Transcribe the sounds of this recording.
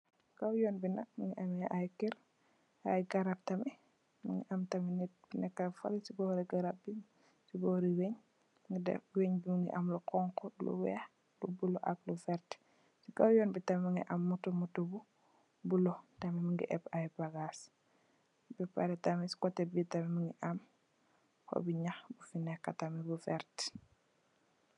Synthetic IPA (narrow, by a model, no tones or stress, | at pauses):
kawjɔːnbinɐk̚miŋɡiʔamɛʔajkiɾ | ajɡaɾap̚tɐmɛ | miŋɡiʔamtɐminibinɛkːafa̰lsibɔɾiɡaɾap̚bi | sibɔɾiweɲ | ŋɡidɛ̰weɲbimiŋɡḭʔɐmlɔkɔŋkɔlṵwɛ̰ | lubuloʔa̰klufɛɾt | siɡawjɔnbitɐmimuŋɡiʔamːutumutubu | bulɔtɐmimiŋɡḭʔɛpajbaɡas | bipa̰ɾɛtamisi̥kɔtːɛbitamimuŋɡiʔam | kɔ̰biɲaxbufinɛkːatamibufɛɾt